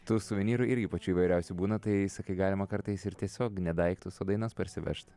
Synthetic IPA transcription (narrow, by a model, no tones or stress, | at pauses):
t̪ʊsʊʋʲɪnʲiːɾʊɪɾʲɡʲɪpɐt͡ʃʲuːiːʋɐɪɾʲɛʊsʲʊbuːnɐt̪ɐɪsɐkɐɪɡɑːlʲɪmɐkɐɾt̪ɐɪsɪɾt̪ʲiɛsʲoːknʲɛd̪ɐɪkt̪ʊsoːd̪ɐɪnɐspɐɾʲsʲɪʋʲɛ̰ʃt̪ʲ